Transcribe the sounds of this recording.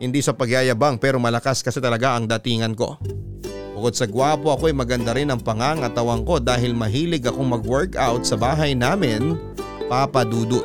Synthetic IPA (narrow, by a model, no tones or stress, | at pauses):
hɪnd̪isɐpɐɡjaːjɐbaŋpɛːɾo̞mɐlɐkaskɐsɛt̪ɐlɐɡaʔɐŋd̪ɐt̪iːŋɐnko̞̰ | bʊko̞d̪̚sɐɡwaːpo̞ʔɐko̞ɐjmɐɡɐnd̪aɾɪnɐŋpɐŋaŋʔɐt̪ɐwɐŋko̞d̪aːɦɪlmɐɦiːlɪɡɐko̞ŋmɐɡwɛɹkawt̪̚sɐbaːɦɐjnaːmɪn | papɐd̪uːd̪o